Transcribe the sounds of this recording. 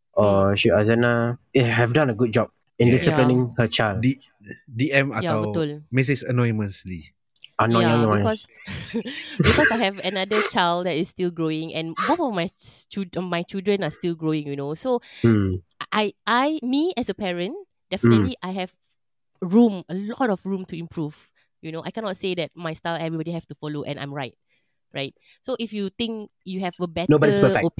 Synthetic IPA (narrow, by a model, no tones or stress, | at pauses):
ʔɔʃiazanaɛhɛvdãnəɡut̚d͡ʒɔp̚ | ĩndisəlinɪ̃ŋhət͡ʃaldi | diɛ̃majtaawbətulmɛs̬ɪsənɔjmə̃nsli | anɔə̃nkɔs | bikɔsajɦɛvənadət͡ʃaɪldɛtɪsːtilɡɹoɪ̃ŋɛ̰̃nboθɔfmajt͡ʃɔfmajt͡ʃildɹə̃nastilɡɹoɪ̃ŋjunoso | ʔaɪaɪmiɛsəpɛɹə̃n | d̥ɛfnətliʔajɦɛv | ɹũməlɔtɔfɹũmtuĩmpʰɹuv̥ | junoʔa̰jkɛnɔt̚sedɛt̚maɪstalɛvɹibɔdihɛftufɔloʔɛ̰̃nã̰ɪmɹaɪt̚ | ɹaɪt̚ | soʔifjut̪ɪ̃ŋkjuɦɛvəbɛtnobɔdiəpəfɛko